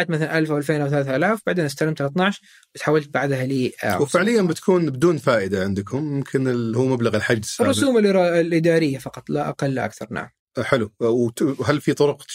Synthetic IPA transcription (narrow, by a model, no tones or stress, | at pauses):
ʕat̪maθalanʔalfʔawʔalfeːnʔawθalaːθalaːfwbaʕd̪eːnɪst̪alɪmt̪alɑt̪ˤnɑʕʃ | bɪt̪ħawːalt̪̚baʕd̪ahaliːwfɪʕlɪjːanbɪt̪ḁkʰuːnbɪd̪uːnfaːʔɪd̪aʕɪnd̪ɪkʰʊmjɪmkʰɪnɪlhuːmablaɣɪlħad͡ʒz̥ɪrːʊsuːmalʔlʔɪd̪aːɾɪjːafɑqɑt̪ˤlaʔa̰qɑlːʔa̰kθɑɾˤna̰ʕam | ħɪluwɦalfit̪ˤʊɾʊq